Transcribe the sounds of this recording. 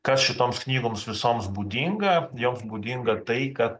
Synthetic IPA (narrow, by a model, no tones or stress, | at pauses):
kɐsʃʲɪt̪oːmsknʲiːɡoːmsʋʲɪsoːmsbuːd̪ʲiŋɡɐjoːmsbuːd̪ʲiŋɡɐt̪ɐɪkɐt̪̚